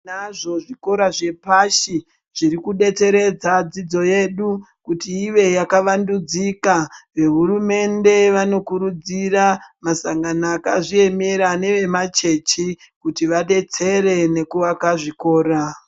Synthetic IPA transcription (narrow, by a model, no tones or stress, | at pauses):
naʐo̞ʐiko̞ɾaʐe̞paʃi | ʐ̥iɾikuɗe̞t͡se̞ɾe̞d͡zad͡zid͡zo̞je̞ɗu | kutiːʋe̞jakaʋandud͡zikaʋe̞ɦuɾume̞nde̞ʋano̞kuɾud͡ziramasaŋɡanaːkaʐie̞meɾane̞ʋe̞mat͡ʃe̞t͡ʃi | kutiʋaɗe̞t͡se̞ɾe̞ne̞kuʋakaʐiko̞ːɾa